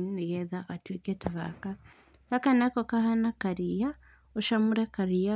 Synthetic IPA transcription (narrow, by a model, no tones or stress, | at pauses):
neɣɛðakatwikɛtaβa̰ka | kakanakɔkahanakaɾija | oʃamuɾɛkaɾia